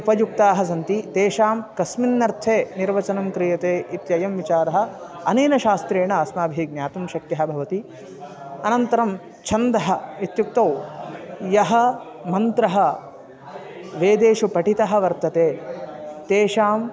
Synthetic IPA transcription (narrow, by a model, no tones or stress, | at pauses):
upɐjuk̚t̪aːɦɐs̬ɐnt̪it̪eːʃaːmkɐsminːɐɾt̪ʰeːniɾʋɐt͡ʃɐnɐmkɾijɐt̪eːʔit̪jɐjɐmʋit͡ʃaːɾɐɦɐ̆ | ɐneːnɐʃaːst̪ɾeːɳɐɐsmaːbʱiɡ̚njaːt̪umʃɐkjɐɦɐbʱɐʋɐt̪i | ɐnɐnt̪ɐɾɐm | t͡ʃʰɐnd̪ɐɦɐit̪juk̚t̪ɐw | jɐɦɐ | mɐnt̪ɾɐɦɐ | ʋeːd̪eːʃupɐʈit̪ɐɦɐ̆ʋɐɾt̪ɐt̪eː | t̪eːʃaːm